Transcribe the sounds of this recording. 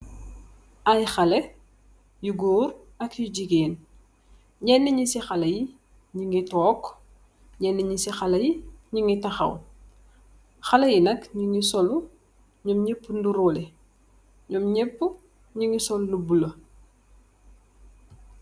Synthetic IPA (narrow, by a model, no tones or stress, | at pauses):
ɐjxɐlɛ | juɡoːɾ | ɐkjuɟiɡeːn | ɲɛnːɛɲisixɐlɐji | ɲiŋɡitɔːkː | ɲɛnːɛɲisixɐlɐjiɲiŋitɐxɐ̰w | xɐlɐjinɐkɲiŋisɔlu | ɲɔmɲepːunduɾoːlɛ | ɲɔmɲɛpːu | ɲiŋisɔllubulɐ